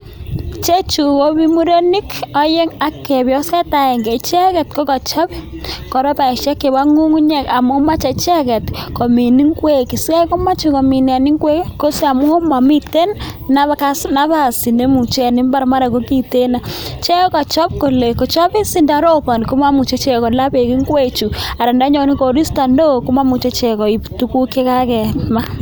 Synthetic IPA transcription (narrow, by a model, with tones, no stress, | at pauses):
t͡ʃe˦t͡ʃu˨ko˦bi˦mu˦ɾo˦ni˦kɔ˦je˦ŋa˦kːe˨bjɔ˦sɛ˦ta˨e˨ŋɡe˨t͡ʃɛ˦kɛ˨t̚ko˦kɔ˨t͡ʃɔ˦pkɔ˨ɾɔ˦pa˨i˨ʃa˦ke˨ba˦ŋu˦ŋu˦ɲe˦˨ka˨mo˦ma˦t͡ʃɛ˨t͡ʃɛ˦kɛ˨tko˨mi˨ni˦ŋkwe˦ki˨sa˦ko˦ma˦t͡ʃu˨ko˨mi˨nɛ˨ni˦ŋkwe˦kkːo˦sa˨mu˦o˦ma˨mi˦te˦nː | a˦kasna˦βa˨si˨ne˦mu˨t͡ʃe˦˨nɪ˦mba˦ɾma˦ɾa˨ko˦ki˦˨te˦na˨t͡ʃɛ˦ka˨t͡ʃɔ˦p̚ko˨le˨kɔ˨t͡ʃɔ˦pi˦si˦nda˨˦ɾo˦pa˨n˨ko˦ma˦mu˨t͡ʃe˦t͡ʃɛ˨kɔ˨la˦be˨ki˦ŋkwe˦t͡ʃu˨a˨ɾa˨nda˦ɲɔ˨˦ni˦ko˨ɾi˦sta˨ndo˦ku˦ma˦mu˨t͡ʃe˦t͡ʃɛ˨kɔ˨i˨tu˦ku˦ke˦ka˦kɛ˨tma˦